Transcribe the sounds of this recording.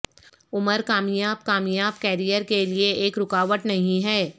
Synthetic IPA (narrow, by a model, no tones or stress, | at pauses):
ʊməɾkaːmjaːb̚kaːmjaːb̚kɛːɾijəɾkelieeːkɾʊkaːʋəʈnɐɦĩɦɛː